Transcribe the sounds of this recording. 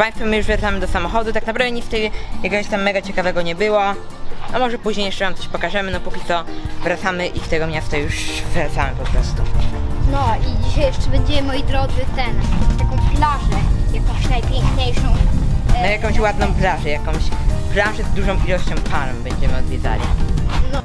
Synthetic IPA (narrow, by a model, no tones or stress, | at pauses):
paj̃st̪fɔmɘjuʐvɾat̪samɘd̪ɔsamɔxɔd̪ut̪aknapɾavd̪ɛɲʲift̪ɛjjakɛɡɔɕt̪amːɛɡat͡ɕɛkavɛɡɔɲɛbɘwa | nɔmɔʐɛpuʑɲejɛʂt͡ʂɛnamt̪sɔɕpɔkaʐɛmɘnɔpukʲit̪ɔvɾat̪samɘʔift̪ɛɡɔmɲast̪ɔjjuʂvɾat̪samɘpɔpɾɔst̪unɔid͡ʑiɕajɛʂɛbɛɲd͡ʑɛmɔjid̪ɾɔd̪zɨt̪ɛnt̪akɔ̃w̃plaʐɛjakɔ̃w̃ɕnajpʲjɛŋkɲejʂɔ̃w̃njakɔ̃w̃ɕwad̪̚nɔ̃w̃plaʐɛjakɔ̃w̃ɕplaʐɛzd̪uʐɔ̃w̃ʔilɔɕt͡ɕɔ̃w̃paɾɛmbɛɲd͡ʑɛmɘɔd̪vʲjɛd̪za̰lʲḭnɔ